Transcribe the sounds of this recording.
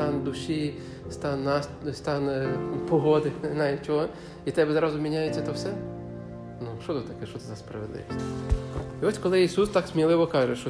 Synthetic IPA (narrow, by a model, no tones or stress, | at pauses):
ɑnd̪ʊʃi | st̪ɑnːɑsst̪ɑnpɔɦɔd̪ɪnɑjɪt͡ʃɔɦɔ | it̪ɛbɛzɾɑzʊmʲinʲajet͡sʲːɐt̪ɔwsɛ | nuʃɔt̪ʊt̪t̪ɐkɛʃt͡ʃɔt̪ɪzɐspɾɐʋʲed̪lˠɪ̰ʋʲisʲtʲ | iɔsʲkɔlˠɪisust̪ɑksʲmʲilˠɪʋɔkɑʒɛʃɔ